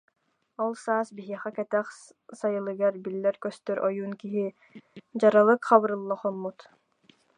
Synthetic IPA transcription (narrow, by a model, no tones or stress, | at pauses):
ɔlˠsaːsbiɦiɛχɛkɛt̪ɛχ | sajɯlˠɯɡaɾbilːɛɾkœst̪œɾʔɔjuːnkiɦi | d͡ʑaɾalˠɯkχɑβɯɾɯlˠːaqɔmːut̪